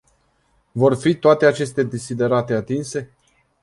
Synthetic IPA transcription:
vo̞rfit̪oat̪e̞at͡ʃe̞st̪e̞d̪esid̪e̞ɾat̪e̞at̪inse̞

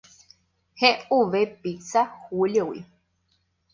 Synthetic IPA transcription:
heuʋepisahuljowḭ

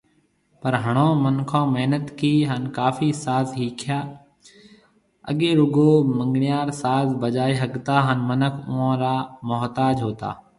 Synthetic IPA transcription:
pəɾɦəɳ̃ãːmənkʰãːmeɦnət̪kiːɦənkaːfiːsaːzɦiːkʰjaː | ə̰ɠeːɾʊɡoːmə̃ŋɡɳɪjaːɾsaːzbəd͡ʒaːiːɦəɠt̪aːɦənmənəkʰʊãːɾaːmʊɦt̪aːd͡ʒɦoːt̪a̰ː

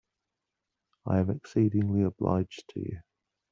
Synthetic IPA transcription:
aɪə̃mɛksiːdɪ̃ŋliəbla̰ɪ̥d͡ʒtʰə̰jə̰

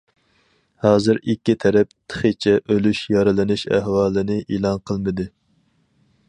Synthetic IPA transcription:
hɑːzɨɾikʲːit̪ʰɛɾɛpt̪ʰə̥χət͡ʃʰɛʔølyʃjɑɾɨlɪnɨʃæ̰ɦwɑːlˠɨnɪʔelˠɑnqʰəlˠmɨd̪ɨ

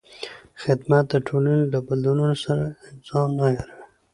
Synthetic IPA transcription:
xɪd̪mat̪̚d̪əʈʰolanelabald̪ununosaɾaɪnzɑmnajaɾa

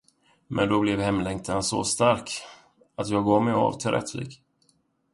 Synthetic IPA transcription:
mʔɛnd̪ɔblɛvhɛmlɛŋkt̪ʰansɔ̰st̪aɾk | at̪jɑːɡɑːvmɛja̰vt̪ʰɪlɾʔɛ̰t̪ːvḭːɡ

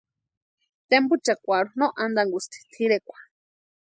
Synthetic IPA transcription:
t̪embut͡ʃakʷaɾunõʔand̪aŋɡust̪ʰi̥t̪ʰiɾekʷḁ

